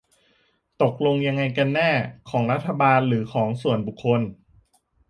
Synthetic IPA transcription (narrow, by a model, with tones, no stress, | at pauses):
t̪o˨˩k̚lo˧ŋja˧ŋːa˧jka˧nːɛː˥˩kʰɔː˩˦ŋɾa˦˥t̪ʰːa˧baː˧nɾɯː˩˦kʰɔː˩˦ŋsu˨˩ənbu˨˩kʰːo˧n